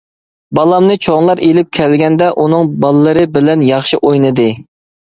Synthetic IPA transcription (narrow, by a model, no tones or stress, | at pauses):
bɑlˠɑmnɨt͡ʃʰoŋlˠɑɾelɪp̚kʲʰɛlɡʲɛnd̪ɛʔunɨŋbɑlˠɨːɨɾɨbɪlɛnjɑχʃiʔojnɨd̪ɨ